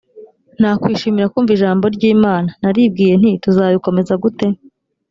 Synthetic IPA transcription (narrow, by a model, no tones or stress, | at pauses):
n̥haːkwiːʃiːmiɾakuːɱviʒaːmbo̞ɾɟiːmaːnanaɾiːb̚ɡiːje̞n̥ituzaːβiko̞me̞zaɡute̞